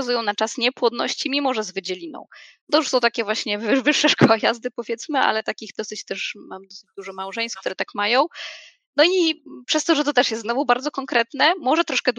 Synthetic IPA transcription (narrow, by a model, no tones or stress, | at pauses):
azujɔ̃w̃nat͡ʂasɲɛpwɔd̪nɔ̰ɕt͡ɕimʲimɔʐɛzvɘd͡ʑɛlʲinɔ̰̃w̃ | t̪ɔjuʂsɔ̃w̃t̪akʲɛvwaɕɲɛvvɘʂːaʂkɔwajazd̪ɘpɔvʲjɛt̪smɘa̰lɛt̪akʲiɣd̪ɔsɘt͡ɕt̪ɛʂmamd̪ɔsɘd͡ʑd̪uʐɔmawʐɛ̃j̃st̪fkt̪uɾɛt̪akmajɔ̃w̃ | nɔipʂɛst̪ɔʐɛt̪ɔt̪ɛʂjɛst̪znɔvubaɾd̪zɔkɔŋkɾɛt̪nɛmɔʐɛt̪ɾɔʂkɛd̪